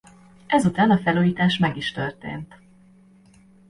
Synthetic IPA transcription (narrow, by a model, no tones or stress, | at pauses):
ɛzut̪aːnɒfɛluːjiːt̪aːʃmɛɡiʃt̪ørt̪ḛːnt̪